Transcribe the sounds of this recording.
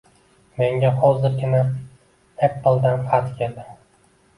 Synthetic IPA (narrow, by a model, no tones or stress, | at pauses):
me̞ŋɡʲahɒzɪɾɡʲɪna | epːlˠd̪anfat̪kʲʰeld̪ɪ